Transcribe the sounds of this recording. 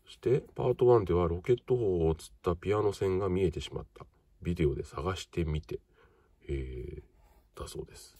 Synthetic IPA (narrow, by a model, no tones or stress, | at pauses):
ɕi̥t̪e̞paːt̪o̞βãnd̪e̞β̞aɾo̞ke̞t̪ːo̞hoːt͡sɨ̥t̪ːapʲiano̞sẽ̞ŋɡamʲie̞t̪e̞ɕima̰t̪ːa | bʲid̪e̞o̞d̪e̞saɡaɕi̥t̪e̞mʲit̪e̞ | e | t̪aso̞̰ːd̪e̞sɨ̥